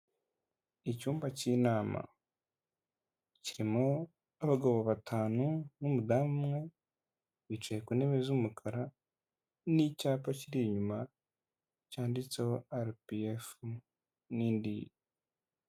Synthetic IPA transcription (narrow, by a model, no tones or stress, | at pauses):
icuːmbacinaːma̰ | ciɾimo | aβaɡoːβoβatʰaːnunumudaːmumŋe̞ | βit͡ʃejekune̞βe̞zumukʰaɾa | nicaːpaciɾiiɲuma | caːndit͡sehoaɾpiefu | niːndij